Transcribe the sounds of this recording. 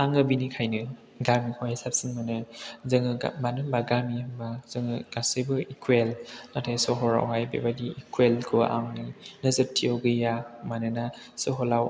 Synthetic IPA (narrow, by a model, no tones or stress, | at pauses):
aŋɯbinikʰajnɯ | ɡamikhʰɔjasap̚sinmɯnɯzɯŋɯa̰manɯmbaɡamiɯmbaz̥ɯŋɯɡ̥asɯbɯikʰwelnatʰajsɔɦɔɾa̰wɦajbḛbadiikʰwelkʰɯʔa̰ŋninɯzɯp̚tʰːiowɡɯjamanɯna | sɔɦɔlaw